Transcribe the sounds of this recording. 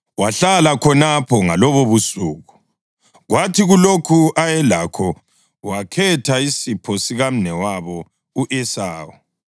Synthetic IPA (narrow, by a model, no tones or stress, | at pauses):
waɬalakʰɔnapʰɔŋalɔβoβusuːɣu | ɣwatʰiɣulokʰuʔajɛlakʰɔ | wakʰɛtʰaisipʰɔsiɣam̩nɛwaβɔ | uʔɛsaːwɔ